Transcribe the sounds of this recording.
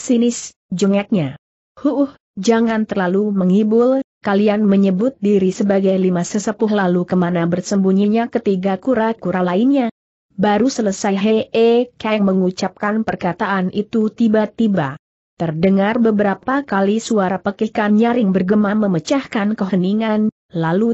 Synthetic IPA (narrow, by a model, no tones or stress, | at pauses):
sinɪs | d͡ʒəŋak̪̚ɲa | huʔh | d͡ʒaŋant̪ərlaluməŋibʊlkalianməɲəbʊt̪̚diɾisəbaɡajlimasəsəpʊhlalukəmanabərsəmbuɲiɲakət̪iɡakuɾakuɾalainɲa | baɾusələsajɦeekaŋməŋut͡ʃap̚kanpərkat̪aʔanʔit̪ut̪ibat̪iba | t̪ərdəŋarbəbəɾapakalisuaɾapəkikanɲaɾɪŋbərɡəmaməmət͡ʃahkankəɦəniŋan | lalu